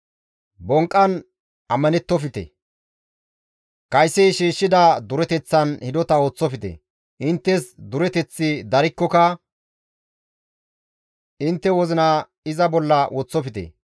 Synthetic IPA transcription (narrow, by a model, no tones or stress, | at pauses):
bɔŋkʼːɐn | ɐmːɐnɛt̪ːɔfɪt̪ɛ̰ | kɐjsːɛjʃiːʃːɪd̪ɐd̪ʊɾɛt̪ɛt͡sːɐnhɪd̪ɔt̪ɐoːt͡sːɔfɪt̪ɛ̰ | ʔɪnt̪ːɛsd̪ʊɾɛt̪ɛt͡sːɪd̪ɐɾɪkːɔkɐ | ɪnt̪ːɛwɔzɪnɐ | ɪzɐbɔlːɐwʔɔt͡sːɔfɪt̪ɛ̰